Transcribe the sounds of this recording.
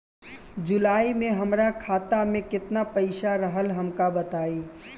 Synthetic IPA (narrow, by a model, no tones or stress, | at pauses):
d͡ʒʊlaːimẽɦəmɾakʰaːt̪amẽkɪt̪napəɪʃaɾəɦəlɦəmkabət̪aːi